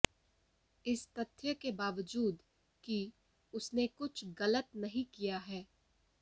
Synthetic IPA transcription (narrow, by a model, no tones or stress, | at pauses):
ɪst̪ɐt̪ʰːjəkebaːʋəd͡ʒuːd̪ | ki | ʊsnekʊt͡ʃʰɣɐlət̪nɐɦĩkijaɦɛː